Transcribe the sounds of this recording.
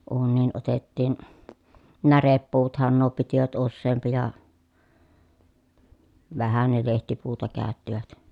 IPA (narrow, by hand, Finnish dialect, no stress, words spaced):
uːnːiːn otetːiːn nærepːuːtɑ̆hɑn nuo pitiʋæt usːeːmpi jɑ ʋæhæ ne lehtipuːtɑ kæˑøtːiʋæt